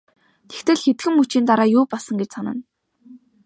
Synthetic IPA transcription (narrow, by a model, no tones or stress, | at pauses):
t̪ʰe̥xt̪ʰɘ̆ɮxet̪ɡɘ̆mːut͡ɕiːnt̪aɾaːjʊːpɔɮsə̆ŋɡet͡ɕsanə̆n